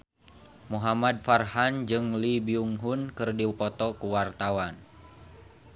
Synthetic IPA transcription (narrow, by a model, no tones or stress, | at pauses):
muɦamad̚farhand͡ʒɨŋlibiuŋɦunkɨrdiwpɔt̪ɔkuwart̪awan